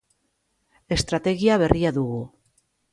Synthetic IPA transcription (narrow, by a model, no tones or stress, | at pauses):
e̞st̪ɾat̪e̞ɣiaβ̞e̞rʔiaðuɣu